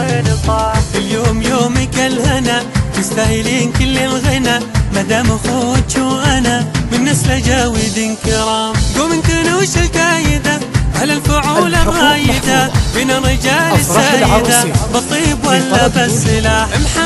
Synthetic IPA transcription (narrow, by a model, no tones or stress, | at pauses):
nt̪ˤɑʔɪljoːmjoːmikalhɪnamɪst̪ahɪliːnkɪlːɪlɣɪnamad̪aːmaxowt͡ʃuʔanamɪnːɪslad͡ʒaːwɪd̪inkɪɾˤɑːmɡuːmɪnk̪anuːʃalfaːjɪd̪aʕalalfʊʕuːlaɾrˤːɑːjɪd̪abɪnarːɪd͡ʒaːlɪsːaːjjd̪abɑt̪ˤiːbwalːabasˤɪlaːħmħa